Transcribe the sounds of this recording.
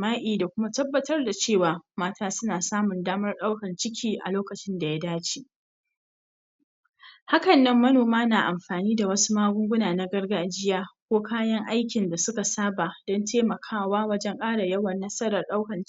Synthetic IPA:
maː˦ʔʲʼiː˨da˨kʷʊ˦ma˦tɐ˦bːɐ˦tɐ˦rda˨t͡ʃeː˦˨waː˨maː˦taː˦sʊ˦naː˨saː˦mʊ˨ndaː˦mɐ˦rɗa˦wkɐ˨nt͡ʃɪ˦kʲʰiː˨ʔa̰˨loː˦kɐ˨t͡ʃɪ˦nda˨ja˦daː˦t͡ʃiː˨ʔ | ha˦kɐ˨nːɐ˦mːɐ˦noː˨maː˦naː˨ʔa˨mɸaː˨niː˦da˨wɐ˦su̥˦maː˦ɡʷʊ˦ŋɡʷʊ˦naː˨na˦ɡɐ˦rɡaː˦d͡ʒɪ˦jaː˦kʷoː˦kaː˦jɐ˦ŋʔa˦jkʲɪ˨nda˨sʊ˦ka˨saː˦baː˨d̥ɔ˦ntʰeː˦mɐ˨kʰaː˦waː˦wɐ˦d͡ʒɛ˦ŋkʼaː˦ɽa˨jɐ˦wɐ˨nːɐ˦sɐ˦ɾɐ˨rɗa˦wkɐ˨n

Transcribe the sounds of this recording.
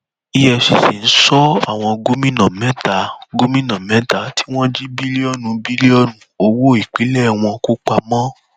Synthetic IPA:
i˦jɛ˧ʃe˨ʃi˨n̩˦sɔ˦a̰˦˨w̃ɔ̃˧ɡo˦mĩ˦nã˨mɛ̃˨˦ta˨ɡo˦mĩ˦nã˨mɛ̃˨˦ta˦˨tʰi˦w̃ɔ̃˦d͡ʒi˦bi˦li˦ɔ˦nũ˧bi˦li˦ɔ˦nũ˧˦o˧wo˦i˨k͡pi˨˦lɛ˦˨w̃ɔ̃˧ko˦k͡pa˧mɔ̃˦

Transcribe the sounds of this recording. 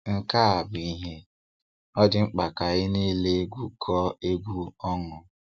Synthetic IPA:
ŋ̩˦ka˦a˨bʊ˨i˦ɦe˦ | ɔ˦d͡ʒɪ˦ŋ͡m̩˦k͡pa˨ka˨ɣɪ˦ni˦le˦ɡʷu˦kʰɔ˦e˦ɡʷu˦ɔ˦ŋʊ˨

